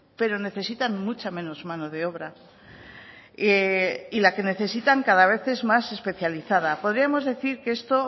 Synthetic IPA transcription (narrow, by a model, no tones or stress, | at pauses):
pe̞ɾo̞ne̞θe̞sit̪anmut͡ʃamẽ̞no̞zmano̞ð̞e̞o̞βɾa | eilake̞ne̞θe̞sit̪aŋkaðaβ̞e̞θe̞zmase̞spe̞θjaliθaðapo̞ð̞ɾiamo̞zðe̞θiɾkee̞st̪o̞